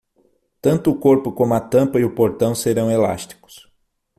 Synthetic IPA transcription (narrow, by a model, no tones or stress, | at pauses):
t̪ɐ̃nt̪ʊːkoɾpʊkõmʊɐt̪ɐ̃mpɐiʊpoɾt̪ɐ̃w̃seɾɐ̃w̃ela̰st̪i̥kʊ̥s